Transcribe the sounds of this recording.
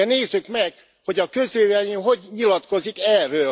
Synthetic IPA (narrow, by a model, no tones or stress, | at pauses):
neːzːykmɛɡ | ho̞ɟɒkø̞zeːvɛjiɦo̞ɟɲilɒt̪ko̞zikɛrːøː